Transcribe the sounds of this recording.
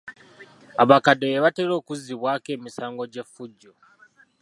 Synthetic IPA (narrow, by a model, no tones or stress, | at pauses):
aβakadejeβate̞lo̞ːkuziβwaːke̞ːmisaːŋɡo̞ɟe̞fːuɟːo